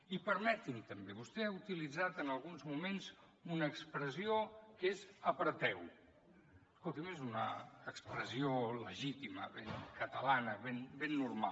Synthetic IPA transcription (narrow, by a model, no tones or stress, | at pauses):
ipəɾmɛt̪int̪əmbeβust̪ɛaut̪ilid͡zat̪ənəlˠɣunzmumenz | unəːkspɾəziokezəpɾət̪ɛw | əskolˠt̪imezunəːkspɾəzioləʒit̪iməβeŋkət̪əlanəβenbenːuɾma